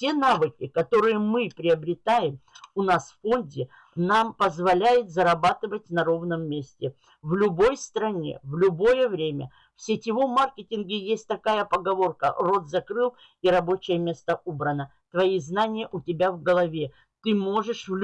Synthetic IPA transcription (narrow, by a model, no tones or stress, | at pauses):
tʲe̞navɨkʲɪkɐt̪o̞ɾɨjəmɨpɾʲɪɐbɾʲɪt̪ajɪmʊnasffo̞nʲdʲɪ | nampəzvɐlʲæjɪt̪zɐɾɐbat̪ɨvətʲnɐɾo̞vnəmːʲesʲtʲɪ | vlʲʊbo̞jst̪ɾɐnʲḛvlʲʊbo̞jəvɾʲemʲə̰ | fsʲɪtʲɪvomarkʲɪtʲɪnɡʲɪjesʲt̚ʲt̪ɐkajəpəɡɐvo̞rkə̰ro̞t̪zɐkɾɨlˠ | iɾɐbo̞t͡ɕɪjəmʲe̞st̪əʔobɾənə | t̪vɐiznanʲɪjəʔʊtʲɪbʲavɡəlˠɐvʲe | t̪ɨmo̞ʐɨʂvlʲ